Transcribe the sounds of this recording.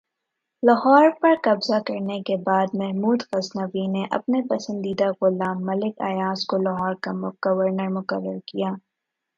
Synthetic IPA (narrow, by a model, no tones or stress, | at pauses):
lɐɦɔːɾpɐɾkɐbzakɐɾnekebaːd̪̚mɛɦmuːd̪xɐznəʋineʔɐ̰pnepɐsə̃nd̪iːd̪aɣʊlaːmːɐlɪka̰ːjaːskolɐɦɔːɾkamʊɡ̥ɐʋəɾnəɾmʊkəɾːəɾkijaː